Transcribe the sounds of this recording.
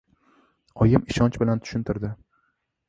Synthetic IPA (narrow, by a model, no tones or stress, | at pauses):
ɒjɪmɪʃɒnt͡ʃbɪlant̪ʰʊ̥ʃɪnt̪ʰɪɾd̪ɪ